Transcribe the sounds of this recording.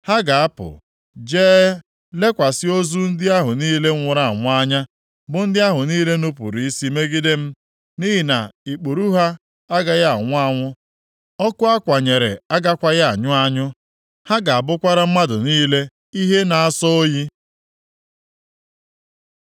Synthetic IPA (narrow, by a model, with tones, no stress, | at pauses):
ha˦ɡa˨a˦pʊ̰˨ | d͡ʒeː˦ | le˦kʷa˨sɪ˦o˦zu˦n̩˦dɪ˦a˦ɦʊ˨niː˦le˦ŋ̩˦ŋʷʊ˨ɾa˨a˨ŋʷʊ˦a˦ɲa˦ | bʊ˨n̩˦dɪ˦a˦ɦʊ˨niː˦le˦no˦pṵ˨ɾi˨i˦si˦me˦ɡɪ˦dɪ˦m̩˦ | ni˦ɦi˨na̰˨i˨k͡po˨ɾu˦ɦa˦ | a˦ɡa˦ja˦a˨ŋʷʊ˦a˦ŋʷʊ˦ | ɔ˦kʊ˦a˦kʷa˨ɲe˨ɾḛ˨a˦ɡa˦kʷa˦ja˦a˨ɲʊ˦a˦ɲʊ˦ | ha˦ɡa˨a˨bʊ˦kʷa˦ɾa˦m̩˦ma˦dʊ̰˨niː˦le˦ | i˦ɦe˦na˨a˦sɔ˦o˦ji˦